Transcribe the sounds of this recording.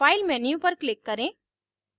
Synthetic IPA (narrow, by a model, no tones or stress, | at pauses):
aːɪlmɛːnijũpɐɾklɪkːɐɾẽː